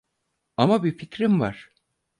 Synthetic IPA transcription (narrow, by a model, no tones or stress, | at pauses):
amabificɾimva̰ɾ̥